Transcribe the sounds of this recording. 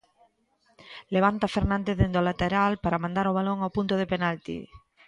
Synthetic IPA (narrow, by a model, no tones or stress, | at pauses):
leβ̞ant̪afeɾnãnd̪eðend̪olat̪eɾalpaɾamãnd̪aɾoβ̞aloŋawpunt̪ʊðepenalt̪ḭ